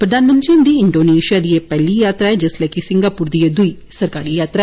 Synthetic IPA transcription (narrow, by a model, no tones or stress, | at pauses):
pɾɐd̪ʱaːnmɐnt̪ɾiund̪iɪɳɖoːneːʃijaːd̪ijeːpɛlːijaːt̪ɾaɛd͡ʒɐslaːkisɪŋɡaːpuːɾd̪ijɐd̪uisɐɾkaːɾiːjaːt̪ɾa